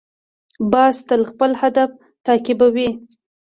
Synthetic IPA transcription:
bɑst̪əlxpəlhad̪af | t̪ɑkɪbawi

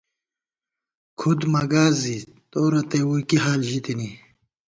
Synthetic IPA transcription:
kʰud̪mɐɡaːzit̪oːɾɐt̪ewukiɦaːlʑit̪ini

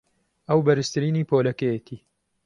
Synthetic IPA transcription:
ɐwbɐɾɨst̪ɨɾiːniːpʰoːlɐkɛjet̪ʰiː

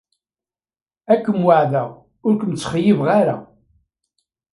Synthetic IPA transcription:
ækːəmwaʕðæ | ʊɾkʷəmt͡sːχjivʁaɾa

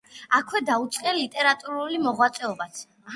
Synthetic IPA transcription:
akʰwɛd̪aut̪sʼqʼɛlit̪ʼɛɾat̪ʼuɾulimɔʁwat̪sʼɛɔbat̪ʰ

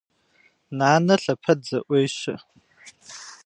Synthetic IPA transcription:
naːnɐɬɐpʰɐdzɐʔʷejɕɪ̰

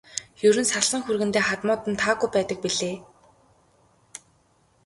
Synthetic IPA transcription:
jɵɾɵ̆nsaɮsə̆ŋxurɣɘ̆nt̪eːχat̪mʊːt̪ə̆nt̪ʰaːɣujpæːt̪ə̆k̚piɮeː

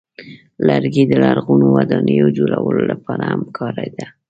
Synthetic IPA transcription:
laɾɡid̪əlaɾɣunowad̪ɑnəjod͡ʒolawəlolapɑɾaamkʰɑɾajd̪a

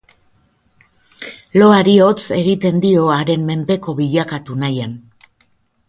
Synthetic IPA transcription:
lo̞aɾio̞t͡se̞ɣit̪e̞nd̪io̞aɾe̞mme̞nd̪e̞ko̞βiʎakat̪unajan

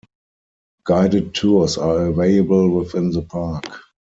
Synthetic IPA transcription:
ɡ̥aɪdəd̚tʰːusaəveɪəbəlwɪðɪ̃nðəpʰak

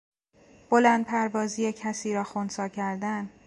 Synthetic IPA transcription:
b̥olæːnd̪̚pʰæɾvɒːziːjecʰæsiːɾɒːxonsɒːcʰæɾd̪æn

